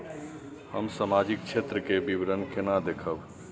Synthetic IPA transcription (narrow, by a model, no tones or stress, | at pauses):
həmsəmad͡ʒik̚t͡ʃʰet̪ɾəkebibɾənkenad̪ekʰəb